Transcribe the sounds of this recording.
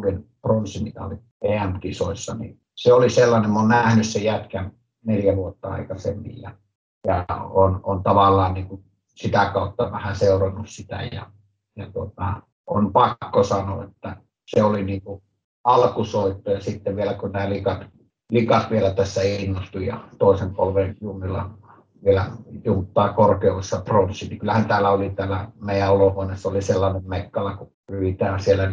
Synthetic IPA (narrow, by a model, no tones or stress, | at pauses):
urinpronsimik̪æ̰oli | eæmkiso̰isːɑnḭ | seoliselːɑnemmonnæhnyssejæt̪kæn | neljæʋuot̪ːɑɑ̰ikɑsḛmːḭjjɑ̰ | jɑ̰ono̰nt̪ɑʋɑlːˑɑːnniːŋkun | sit̪ækɑˑut̪ːɑʋæhæseˑurɑnːussit̪æ̰jjɑ̰ | jɑt̪uot̪ɑ | o̰npɑkːosɑno̰ːˑḛt̪ːæ | seoliniːŋku | ɑlkusoit̪ːojɑsit̪ːeʋʋielækunæːlikɑt̪ | likɑt̪ʋielæt̪æsːæinːost̪ujɑ̰t̪oˑesempo̰lʋejunːilɑ̰ | ʋielæ̰junt̪ːɑːkorkeuʋisːɑpronsːˑinikylːæhænt̪æːlæolit̪æːlæmeˑijæolohoenesːɑoliselːɑnemmekːɑlɑku | ryʋit̪æːnsielːæ